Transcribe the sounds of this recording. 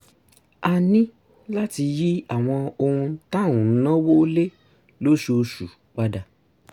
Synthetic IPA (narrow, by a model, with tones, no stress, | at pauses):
a˧nĩ˦ | la˦ti˧ji˦a˦˨w̃ɔ̃˧o˧hũ˧˦tã˦˨ũ˨˦nã˦wo˦le˦ | lo˦ʃo˧ʃu˨ | k͡pa˦da˧